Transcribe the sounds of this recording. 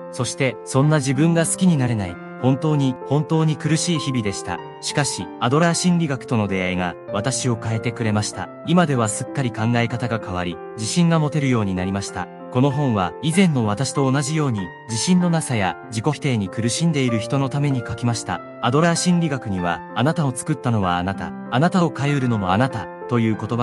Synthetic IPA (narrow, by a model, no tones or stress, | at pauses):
so̞ɕi̥t̪e̞sõ̞nːaʑibɯ̟̃ŋɡasɨ̥kʲiɲ̟inaɾe̞nai | hõ̞nt̪o̞ːɲ̟ihõ̞nt̪o̞ːɲ̟ikɯ̟ɾɯ̟ɕiːçibʲid̪e̞ɕi̥t̪a̰ | ɕi̥kaɕiad̪o̞ɾaːɕĩnɾʲiɡakɯ̟̥t̪o̞no̞d̪e̞aiɡaβ̞at̪aɕio̞kae̞t̪e̞kɯ̟ɾe̞maɕi̥t̪a̰ | imad̪e̞β̞asɨ̥kːaɾʲikãŋɡaekat̪aɡakaβ̞a̰ɾʲi | d͡ʑiɕĩŋɡamo̞t̪e̞ɾɯ̟jo̞ːɲ̟inaɾʲimaɕi̥t̪a̰ | ko̞no̞ɦõ̞ɰ̃βaizẽ̞nːo̞βat̪aɕi̥t̪o̞ːnaʑijo̞ːɲ̟i | d͡ʑiɕĩnːo̞nasaja | d͡ʑiko̞fi̥t̪e̞ːɲ̟ikɯ̟ɾɯ̟ɕĩnd̪e̞iɾɯ̟çi̥t̪o̞no̞t̪ame̞ɲ̟ikakʲimaɕi̥t̪a̰ | ad̪o̞ɾaaɕĩnɾʲiɡakɯ̟ɲ̟iβa̰ːnat̪ao̞t͡sɨ̥kɯ̟t̪ːano̞βaːnat̪a̰ːnat̪ao̞kajɯɾɯ̟no̞moanat̪a | t̪o̞jɯ̟ːko̞t̪o̞ba